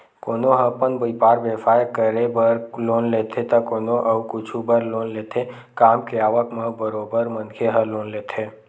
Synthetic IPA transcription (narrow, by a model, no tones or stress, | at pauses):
koːnoɦə̃pənbəɪpaːɾbefaːjəkəɾebəɾloːnleːt̪ʰet̪ɐkoːnoʔɐukʊt͡ʃʰubəɾloːnleːt̪ʰe | kaːmkeaːʋəkməbəɾoːbəɾmə̃nkʰeɦəloːnleːt̪ʰeː